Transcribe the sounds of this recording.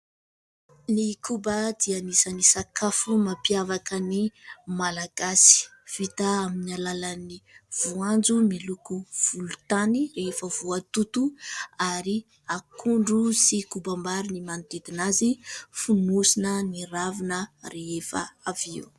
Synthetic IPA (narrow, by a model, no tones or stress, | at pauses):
nikubəd̪ianisənisakafumapiavakənimalaɡasi̥v̥it̪aaminalaləniv̥uand͡zumilukuv̥ulut̪aniɾefəvuat̪ut̪uaɾi | akʰuɳɖ͡ʐusikubambaɾinimanit̪ed̪inazifunusinəniravinəreefa̰aviu